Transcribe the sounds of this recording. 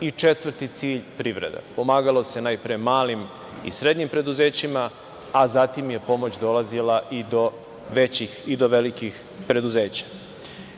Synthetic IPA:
it͡ʂe̞t̪ʋr̩ɾt̪it̪siːʎpɾiʋɾe̞̰d̪a̰po̞maːɡalˠo̞se̞najpɾemaːlim | ḭsɾe̞d̪ɲimpɾe̞d̪uze̞ːt͡ɕimaː | zat̪imje̞po̞mo̞t͡ɕd̪o̞lazilaʔid̪o̞ | ʋe̞t͡ɕixid̪o̞ʋe̞likix | pɾe̞d̪uze̞ːt͡ɕḁ

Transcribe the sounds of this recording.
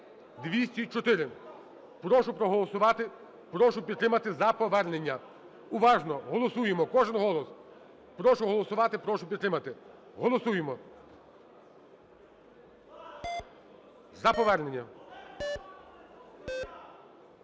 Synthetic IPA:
d̪ʋʲisʲtʲit͡ʃɔt̪ɪɾɪ | pɾɔʃʊpɾɔɦɔlˠɔsʊʋɑt̪ɪ | pɾɔʃʊpʲid̪t̪ɾɪmɐt̪ɪzɐpɔʋɛrne̞nʲːɐ | ʊʋɑʒnɔɦɔlˠɔsujemɔkɔʒɪnɦɔlˠɔs | pɾɔʃʊɦɔlˠɔsʊʋɑt̪ɪpɾɔʃʊpʲid̪t̪ɾɪmɐt̪ɪ | ɦɔlˠɔsujemɔ | zɐpɔʋɛrne̞nʲːɐ

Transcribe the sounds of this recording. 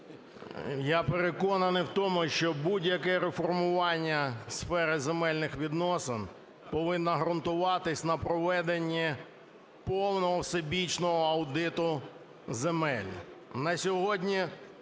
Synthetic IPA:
japeɾekɔnɐnɪjwt̪ɔmʊʃt͡ʃɔbudʲjɐkɛɾefɔrmʊʋɑnʲːɐsfɛɾɪzemɛlʲnɪxʋʲid̪nɔsɪn | pɔʋɪnːɐɦɾɐnt̪ʊʋɑt̪ɪsʲnɐpɾɔʋɛd̪enʲːi | pɔwnɔɦɔwsebʲit͡ʃnɔɦɔɐwd̪ɪt̪ʊ | zemɛlʲnɐsʲɔɦɔdʲnʲi

